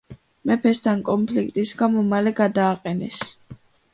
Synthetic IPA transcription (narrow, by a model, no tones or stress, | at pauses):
mɛpʰɛst̪ʰankʼɔmpʰlik̚ʰt̪ʼisɡamɔmalɛɡad̪aːqʼɛnɛs